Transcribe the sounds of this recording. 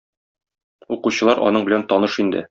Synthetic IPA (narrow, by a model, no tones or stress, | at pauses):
uquɕɤ̆lˠɑɾʔɒ̰nɤɴbɘ̆lænt̪ɒnɤʃind̪ɘ̰